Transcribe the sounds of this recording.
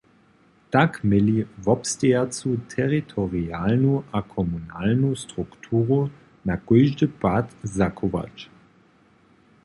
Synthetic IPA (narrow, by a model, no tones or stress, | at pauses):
takmɪlivɔpst̪ɛjat͡sutʰɛʁitʰɔʁialnuʔakʰɔmunalnustʁukt̪ʰuːʁu | nakɔjʒdəpatzakʰɔʋa̰t͡ʃ